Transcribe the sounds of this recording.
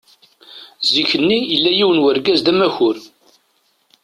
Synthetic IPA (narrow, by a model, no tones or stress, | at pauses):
ziçənːijəlːæjiwənwəɾɡæzd̪æmæçʊɾ